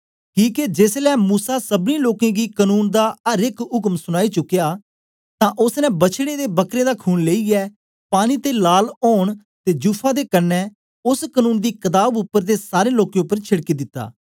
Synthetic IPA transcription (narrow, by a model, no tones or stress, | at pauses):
kiːked͡ʒeːslɛːmuːsaːsəbniːloːkẽːɡiːkənuːnd̪aːəɾɪkʊkmsʊɽ̃aːiːt͡ʃʊkːjaː | t̪ãːʔʊsnɛ̃ːbət͡ʃʰɽ̃eːd̪eːbəkɾeːd̪aːkʰuːnleːiːɛː | paːñiːt̪eːlaːloːɳ̃ | t̪eːd͡ʒuːpʰaːd̪eːkənːɛː | ʊskənuːnd̪iːkəd̪aːbʊpːəɾd̪eːsaːɾẽːloːkẽʊpːəɾt͡ʃʰɪɽkiːd̪ɪt̪ːa̰ː